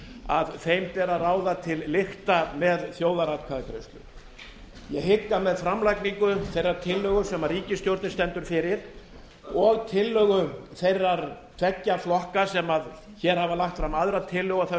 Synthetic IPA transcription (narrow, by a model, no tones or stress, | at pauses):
aðθejmpɛːɾaraːwðat̪ʰɪlːɪxt̪amɛðθjoːwðaɾat̪kʰaðɪkʰɾɪst̪lʏ̰ | jɛɣɦɪkːamɛðfɾamlajkniŋkʏθejrːaɾ̥t̪ʰɪlːœɣʏsɛmariːcɪst̪jowɾt̪nɪst̪ɛnt̪ʏɾ̥fɪɾɪɾ̥ | ɔɣt̪ʰɪlːœːɣʏθejrːaɾt̪ʰvɛcːaflɔhkasɛmað | çɛɾ̥havalaxt̪fɾamaðɾat̪ʰɪlːœɣaθɛ